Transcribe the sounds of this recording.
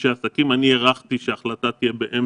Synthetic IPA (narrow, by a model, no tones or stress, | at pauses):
ʃeasakimanieʁaχt̪iʃeaχlat̪at̪ijebeʔem